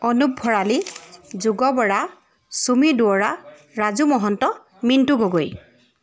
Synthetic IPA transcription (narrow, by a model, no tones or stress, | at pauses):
ɔnubʱɔɹalizuɡɔbɔɹa | sumiduɔɹa | ɹazumɔɦɔntɔ | mintuɡoɡoj